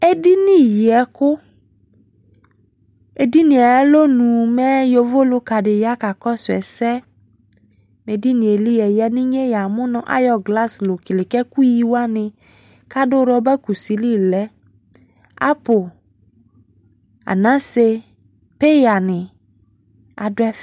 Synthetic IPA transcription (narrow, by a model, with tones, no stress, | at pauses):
e˦di˦nĩ˦ji˨ɛ˨kʊ˦ | e˨di˦nĩ˨ɛ˨ɛ˦lo˦nũ˨mɛ˦jo˨vo˦lo˦ka˨dɪ˨ja˦ka˨kɔ˦sʊ˨ɛ̰˨sɛ˦ | me˨di˦nĩ˨e˨li˦jɛ˨jɛ˦nĩ˦ɲe˦ja˨mʊ̃˦nɔ̃˨ʔa̰˦jɔ˨ɡla˦slo˨ki˨lɪ˨kɛ˦ku˦ji˦wa˦nɪ̃˨ | ka˦do˦ɾɔ˦bɛ˦ku˨si˨li˦lɛ˦ | a̰˦po˨ | a̰˨nã˦se˦ | pe˦ja˨nɪ̃˨ | a˨do˦ɛ˦f